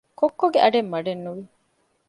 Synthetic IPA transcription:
kokːoɡeʔɐɖemːɐɖenːuʋi

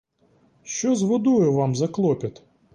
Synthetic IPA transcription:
ʃt͡ʃɔzʋɔd̪ujʊʋɑmzɐklˠɔpʲɐt̪

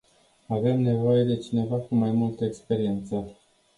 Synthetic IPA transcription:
ave̞mne̞vo̞je̞d̪e̞t͡ʃine̞vakumajmult̪əekspe̞ɾie̞nt̪sə

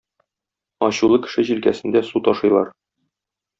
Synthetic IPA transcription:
ɒɕulˠɤkɘ̥̆ʃɘʑilkæsɘ̆nd̪æsut̪ɒʃɤ̆jlˠɑɾ

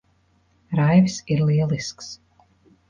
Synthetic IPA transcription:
ɾajvsiɾlˠiɛlˠisks

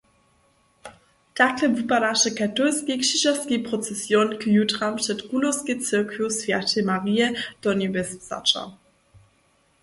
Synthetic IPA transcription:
taklɛvipadaʃɛkatɔlskikʂiʒaskipʁɔt͡sɛsjɔnkjutʁampʂɛtɡ̥ulosket͡sɛkvjosvjatemaʁijɛd̥ɔnɛbɛst͡sa̰t͡ʃa̰

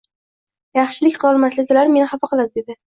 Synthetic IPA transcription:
jɑχʃɪlɪkʲqɨlɒlˠmaslɪɡʲɪlaɾme̞nɪhafɑqʰɨlˠad̪ɪd̪ed̪ɪ

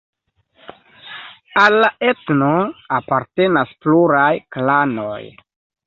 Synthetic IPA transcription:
alːaetnoapaɾte̞naspluɾajklano̰j

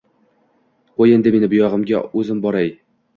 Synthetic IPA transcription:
qojend̪ɪme̞nɪbʊjɒʁɤ̆mɡʲa̰ʉzɪmbɒɾaj

